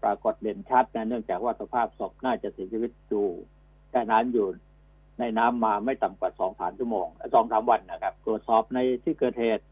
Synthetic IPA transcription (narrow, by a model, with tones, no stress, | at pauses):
pɾaː˧ko˨˩t̪̚le˨˩ənt͡ɕʰa˦˥t̪̚na˦˥nɯ˥˩əŋt͡ɕaː˨˩k̚waː˥˩sa˧pʰaː˥˩p̚so˨˩p̚naː˥˩t͡ɕa˨˩ʔsi˩˦t͡ɕʰiː˧wi˦˥t̪̚juː˨˩ | t̪ɛ˧˩naː˦˥mjuː˨˩ | na˧jnaː˦˥mːaː˧ma˥˩jt̪a˨˩mkwaː˨˩sɔː˩˦ŋsa̰ː˩˦nt͡ɕʰu˥˩˨moː˧ŋ˥˩sɔː˩˦ŋsaː˩˦mwa˧nːa˦˧˩kʰa˦˥p̚t̪ɾu˨˩ət̪̚sɔː˨˩p̚na˧jt̪ʰiː˥˩kɤː˨˩t̪̚heː˨˩t̪̚